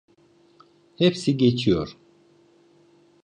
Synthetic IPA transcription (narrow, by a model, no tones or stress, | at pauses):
hepsiɟet͡ʃʰijoɾ